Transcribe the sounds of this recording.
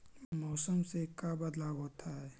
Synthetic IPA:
mɔːsəmsekabɐd̪laːʋɦoːt̪ʰaɦɛː

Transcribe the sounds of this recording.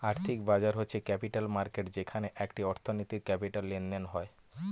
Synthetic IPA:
aɾt̪ʰikbad͡ʑaɾɦotːɕʰekɛpiʈalmaɾkeʈd͡ʑekʰaneʔɛkʈiɔɾt̪ʰonit̪iɾkɛpiʈalːend̪enɦɔe

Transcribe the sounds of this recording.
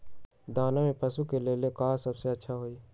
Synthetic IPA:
d̪aːnamẽpɐsukeleːlekaːsɐbseɐtːʃʰaɦoːiː

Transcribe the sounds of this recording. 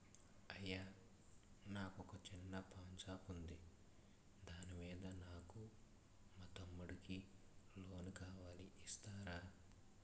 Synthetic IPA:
ɐjːaː | naːkɔkɐt͡ʃinːɐpʰaːnt͡ʃaːpund̪i | d̪aːnimiːd̪ɐnaːku | mɐt̪ɐmːuɽikilo̞ːnukaːʋaːliːst̪aːɾaː

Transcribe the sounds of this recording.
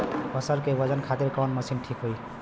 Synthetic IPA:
pʌsəɾkebʌd͡ʒənkʰat̪iɾkawnməsinʈʰikɦoj

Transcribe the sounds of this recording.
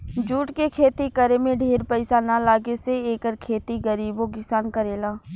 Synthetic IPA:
d͡ʒuːʈkekʰeːt̪ikəɾemẽɖʱeːɾpɛɪsanalaːɡeseeːkəɾkʰeːt̪iɡəɾiːboɡɪsaːnkəɾeːlaː

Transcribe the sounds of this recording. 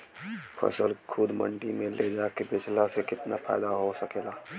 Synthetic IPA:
pʰə̰səlkʰʊd̪mə̰ɳʈimẽlʔed͡ʒakebɪt͡ʃlasekɪt̪napʰa̰ɪd̪aɦosəkeːla

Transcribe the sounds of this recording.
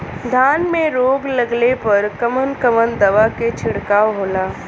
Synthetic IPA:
d̪ʱaːnmẽɾoːɡlɐɡlepɐɾkɐmənkəmənd̪ɐʋaket͡ʃʰɪɽkaːɦoːlaː

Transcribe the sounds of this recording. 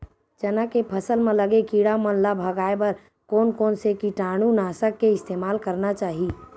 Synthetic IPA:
t͡ʃɐnakepʰəsəlmẽləɡekiːɽamə̃nlabʱɐɡaːebəɾ | kɔːnkɔːnsekiʈaːɽ̃unaːsəkːeɪst̪eːmaːlkəɾnat͡ʃaːɦi

